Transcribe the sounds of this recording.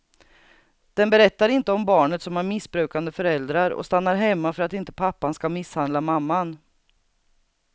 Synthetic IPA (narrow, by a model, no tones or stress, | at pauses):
d̪̥ɛnbɛɾɛt̪ːaɾɪnt̪əɔmbɑːɳət̪sɔmæɾmɪsbɾʉ̟ːkand̪əfœɾɛld̪ɾaɾɔ̰st̪anːaɾɦɛmːafœɾat̪ɪnt̪ə̥pʰapːanskamɪshand̪lamamːan